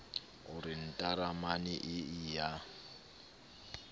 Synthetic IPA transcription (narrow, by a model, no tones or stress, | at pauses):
ʊɾin̩tʼaɾamaniʔɪija